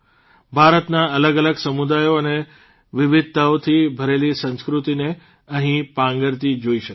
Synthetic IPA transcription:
bʱaɾət̪naələɡələɡsəmud̪ajoəne | ʋɪʋɪd̪̚ʱt̪əʋt̪ʰibʱəɾelisə̃nskɾut̪ine | əɦĩpãŋɡəɾt̪id͡ʒoiʃək

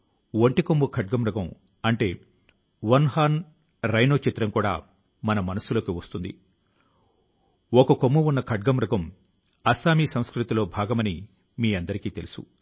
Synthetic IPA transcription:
ʋoɳʈikombukʰɐʈ̚ɡɐmɾɐɡɐ̃m | ɐɳʈe̞ː | ʋɐnɦaːn | ɾɐjnoːt͡ʃit̪ɾɐmkuːɽa̰ː | mɐnɐmɐnɐsulo̞ːkiʋɐst̪und̪ḭ | okɐkomːuunːɐkʰɐʈ̚ɡɐmɾɐɡɐm | ɐsaːmiːsɐw̃skɾit̪ilo̞ːbʱaːɡɐmɐni | miːɐnd̪ɐɾikiːt̪e̞lusṵ

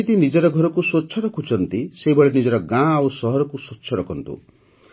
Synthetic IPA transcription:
it̪inid͡ʒɔɾɔɡʱɔɾɔkuswotːʃʰɔɾɔkʰut͡ʃʰɔnt̪iseɦibɔɭenid͡ʒɔɾɔɡãawsɔɦɔɾɔkusotːt͡ʃʰɔɾɔkʰɔnt̪ṵ

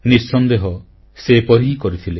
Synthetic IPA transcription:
nisːɔnd̪eɦɔ | sepɔɾiɦikɔɾit̪ʰile

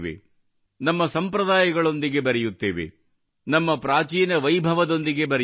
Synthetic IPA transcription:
ʋḛ | nɐmːɐsɐmpɾɐd̪aːjɐɡɐɭo̞nd̪iɡe̞bɐɾɛjut̪ːeːʋḛ | nɐmːɐpɾaːt͡ʃiːnɐʋɐjbʱɐʋɐd̪o̞nd̪iɡe̞bɐɾɛ

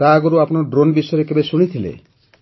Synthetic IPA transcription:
aɡuɾuapnaɖɾonbiʃɔjɾekebeʃuɽ̃it̪ʰilḛ

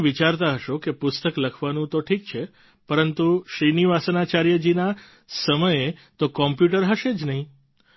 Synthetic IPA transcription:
ʋit͡ʃaɾt̪aɦəʃokepʊst̪əkləkʰʋanũt̪oʈʰik̚t͡ʃʰe | pəɾənt̪uʃɾiniʋasənat͡ʃaɾjəd͡ʒina | səməjet̪okɔmpjuʈəɾɦəʃed͡ʒnəɦĩ

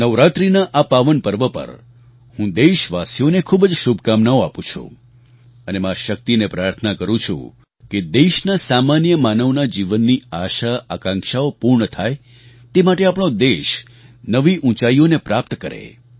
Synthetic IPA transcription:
nəʋɾat̪ɾinaʔapaʋənpəɾʋəpə̰ɾ | hũd̪eʃʋasijonekʰubəd͡ʒʃubʱkamnaoapũt͡ʃʰṵ̃ | ənemãʃək̚t̪inepɾaɾt̪ʰənakəɾũt͡ʃʰṵ̃ | ked̪eʃnasamanjəmanəʋnad͡ʒiʋənːiaʃaəkãŋkʃaopuɾɳət̪ʰaj | t̪emaʈeapɽ̃od̪eʃ | nəʋiʔũt͡ʃaionepɾapt̪kəɾḛ

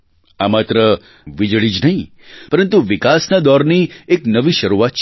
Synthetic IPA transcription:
amat̪ɾə | ʋid͡ʒɭid͡ʒnəɦĩ | pəɾənt̪uʋɪkasnad̪ɔɾnieknəʋiʃəɾuʋat̪̚t͡ʃʰ

